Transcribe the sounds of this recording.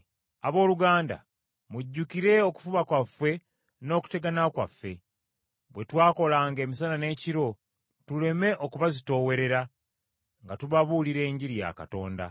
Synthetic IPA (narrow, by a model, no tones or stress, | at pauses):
aβo̞ːluɡaːnda̰ | muɟːukiɾe̞o̞ku̥fuβakwafːe̞ | no̞ːku̥te̞ɡanakwa̰fːe̞ | βwe̞twaːko̞laːŋɡe̞ːmisalane̞ːciɾo̞ | tule̞me̞ʔo̞kuβazito̞ːwe̞ɾe̞ɾa | ŋɡatuβaβuliɾe̞ːɲɟiɾija̰ka̰to̞̰ːnda̰